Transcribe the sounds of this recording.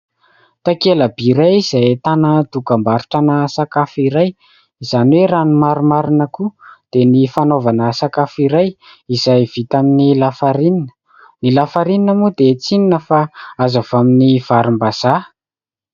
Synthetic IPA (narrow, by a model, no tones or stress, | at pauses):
t̪akeləbiɾajiz̥ajt̪anəd̪ukambaɾu̥ʈ͡ʂanəsakafiɾaj | iz̥aniweɾanimaɾumaɾinəkud̪̥enifanovanəsakafiɾaj | izajv̥it̪aminilafaɾininə̥ | nilafaɾininəmud̪et͡sininəfaazavaminiv̥aɾimbaz̥a